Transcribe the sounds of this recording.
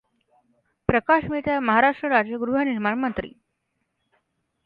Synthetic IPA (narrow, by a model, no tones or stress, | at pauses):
pɾəkaʂmiɭt̪jaməɦaɾaʂʈɾəɾad͡ʑjəɡɾuɦəniɾmaɳmənt̪ɾḭː